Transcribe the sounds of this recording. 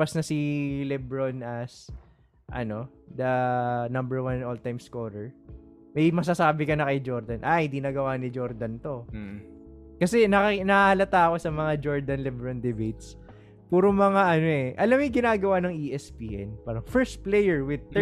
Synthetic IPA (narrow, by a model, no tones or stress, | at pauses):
pɐsnɐsilɛbɹonʔɐs | ʔɐ̰no̞ | d̪ɐnɐmbɛɹwannoːlt̪ajmskoɾɛɹ | mɐjmɐs̬asaːbɪkɐnɐkɐjd͡ʒo̞ɾd̪ɐnʔahɪ̃nd̪iːnɐɡɐwaʔnɪd͡ʒo̞ɾd̪ɐnt̪o̞ | kɐsɛnɐkɐnɐaɐlɐt̪aːɐko̞sɐmɐŋad͡ʒo̞ɹd̪ɐnlɛbɾond̪ɛbejt̪̚s | puːɾoŋmɐŋaʔɐno̞ʔɛʔɐlamɪŋɡɪnaːɡɐwanɐŋʔiːʔɛspiːʔɛ̰npaɾɐŋfɛɹst̪̚plɛjɛɹwɪd̪̚